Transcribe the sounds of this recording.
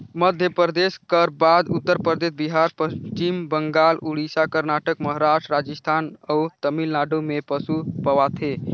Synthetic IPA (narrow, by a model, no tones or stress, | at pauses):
məd̪ʱjəpəəd̪eskəɾbad̪ut̪ːəɾpəɾd̪esbiɦaɾpəst͡ʃimbəŋɡaluɽisakəɾnaʈəkməɦɾaʃʈɾad͡ʒəst̪ʰanəut̪əmilnaɖomepəsupəʋat̪ʰe